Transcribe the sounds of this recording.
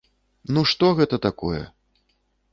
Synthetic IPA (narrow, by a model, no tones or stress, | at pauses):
nuʂt̪ɔɣɛt̪ɐt̪akɔ̰jɛ̰